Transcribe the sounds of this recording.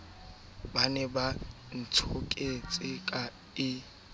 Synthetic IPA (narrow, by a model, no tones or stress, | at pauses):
banɛba | n̩t͡sʰʊkʼet͡sʼɪkʼa | ɪ